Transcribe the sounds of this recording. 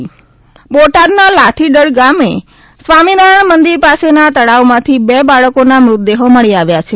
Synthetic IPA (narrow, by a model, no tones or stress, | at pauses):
boʈadnalat̪ʰiɖəɭɡame | sʋaminaəɳmənd̪iɾpasenat̪əɭaomãt̪ʰibebaɭəkonamɾʊt̪̚d̪eɦoməɭiaʋjat͡ʃʰe